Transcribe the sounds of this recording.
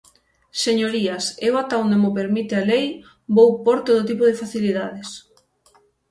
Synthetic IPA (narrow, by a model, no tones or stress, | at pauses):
seɲoɾiasewat̪awnd̪emopeɾmit̪ealej | bowpɔɾt̪oðot̪̬ipoðefaθiliðað̞es